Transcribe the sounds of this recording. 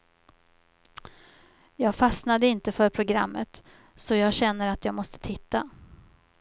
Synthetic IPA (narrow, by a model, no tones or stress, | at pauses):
jɑːɡfasnad̪əɪnt̪əfœɾpʰɾʊɡɾa̰mːət̪ | sɔjɑːɡɕɛnːəɾat̪ʰjɑːɡmɔst̪ə̥t̪ʰɪt̪ːa